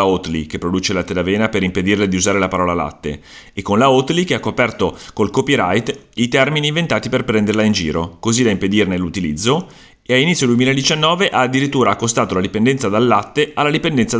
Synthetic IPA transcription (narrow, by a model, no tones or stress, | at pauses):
aot̪lḭk̟epːɾod̪uːt͡ʃelat̪ːed̪aveːnapeɾimped̪irled̪iuzaːɾelapaɾɔːlala̰t̪ːḛː | kːonlaot̪likeakːopɛrt̪okolkopiɾajt̪it̪ɛrminiːɱvent̪aːt̪iperpɾɛnd̪erlaind͡ʒḭːɾokozid̪aimped̪irnelːut̪ilḭd̪zːo | ealinit̪sjod̪wemilaed̪it͡ʃanːɔːveʔaːd̪ːiɾit̪ːuːɾaːkːost̪aːt̪olad̪ipend̪ɛnt̪sad̪alːat̪ːealːad̪ipend̪ɛnt̪sa